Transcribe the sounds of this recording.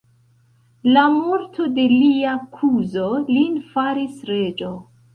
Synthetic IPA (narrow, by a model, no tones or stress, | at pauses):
lamoɾtʰo̞de̞liakʰuzolinfaɾisɾe̞d͡ʒo